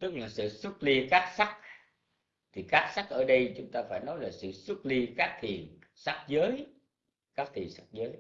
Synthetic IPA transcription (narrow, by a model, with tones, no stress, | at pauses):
t̪ɨ˦˥k̚laː˨˩sɨ̰˧˨swə˦˥t̚li˧kaː˦˥k̚sa˦˥k̚ | t̪ʰi˨˩kaː˦˥k̚sa˦˥k̚ʔəː˧˩ɗə˧jt͡ɕʊ˨˦ŋ͡mt̪aː˧faː˧˩jnɔ˨˦jlaː˨˩sɨ̰˧˨swə˦˥t̚li˧kaː˦˥k̚t̪ʰi˨˩ən | sa˦˥k̚zəː˨˦j | kaː˦˥k̚t̪ʰi˨˩ənsa˦˥k̚zəː˨˦j